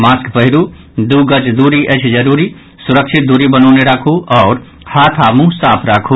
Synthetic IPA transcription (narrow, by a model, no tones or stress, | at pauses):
maːskpəɦɪɾu | d̪uɡət͡ʃd̪uːɾiʔət͡ʃʰd͡ʒəɾuːɾi | suɾəkʃʰɪt̪̚d̪uɾibənɔːneɾaːkʰuɔːɾ | haːt̪ʰamũsaːpʰɾaːkʰu